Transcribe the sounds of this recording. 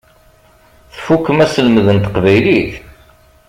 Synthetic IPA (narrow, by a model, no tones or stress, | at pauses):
θfukːəmæsəlməðənt̪ə̥qvæjliθ